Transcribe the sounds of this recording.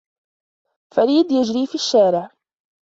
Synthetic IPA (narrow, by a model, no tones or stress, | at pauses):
faɾiːd̪jad͡ʒɾiːfiʃːaːɾɪʕ